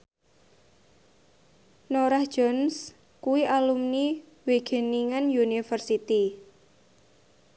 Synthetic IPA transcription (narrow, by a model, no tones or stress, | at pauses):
noɾahd̥ʒ̥ɔns | kuwiʔalumni | weɡ̥e̤niŋanjunifərsit̪i